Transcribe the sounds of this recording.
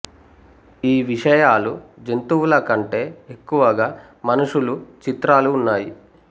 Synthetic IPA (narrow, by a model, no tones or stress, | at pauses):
iːʋiʂɐjaːlud͡ʒent̪uʋulɐkɐɳʈe̞ːekːuʋɐɡaː | mɐnuʂulut͡ʃit̪ɾaːluːnːaːji